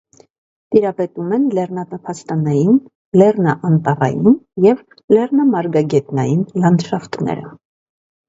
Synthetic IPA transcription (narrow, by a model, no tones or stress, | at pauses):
t̪iɾɑpɛt̪umɛnlɛrnɑt̪ɑpʰɑst̪ɑnɑjin | lɛrnɑʔɑnt̪ɑrɑ̰jinjɛv | lɛrnɑmɑɾɡɑɡɛt̪nɑjinlɑnd̪ʃɑft̪nɛ̰ɾə̰